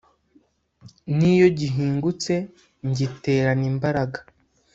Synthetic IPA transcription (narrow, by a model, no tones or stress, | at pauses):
nijo̞ɟiɦiːŋɡut͡se̞ | ɲɟite̞ːɾaniːmbaɾaɡa